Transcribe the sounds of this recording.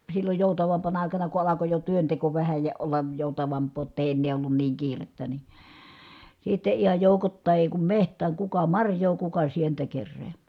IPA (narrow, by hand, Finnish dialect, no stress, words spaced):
silːoj joˑutɑʋɑmpɑnɑ ɑˑikɑnɑ ku ɑlɑko jo tyønteko ʋæhæ jɑ olːɑj joˑutɑʋɑmpˑoː j̆otː eˑi enːeː olːun niːŋ kiːretːæ ni sitːe ihɑj joˑukotːɑˑi eˑi kum mehtˑæːŋ kukɑ mɑrjˑoː kukɑ sientæ kerːeːm̥æ̥ː